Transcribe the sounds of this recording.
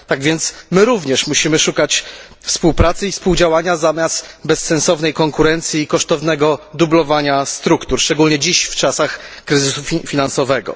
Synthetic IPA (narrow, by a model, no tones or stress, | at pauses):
t̪aɡvʲjɛnt̪smɘɾuvɲɛʂmuɕimɘʂukat͡ɕ | fspuwpɾat̪sɘifspuwd͡ʑawaɲazamʲjast̪bɛsːɛnsɔvnɛjkɔŋkuɾɛnt̪sʲjiːkɔʂt̪ɔvnɛɡɔd̪ublɔvaɲast̪ɾukt̪uɾʂt͡ʂɛɡulɲɛd͡ʑiɕft͡ʂasaxkɾɘzɘsufʲifʲinansɔvɛɡɔ̰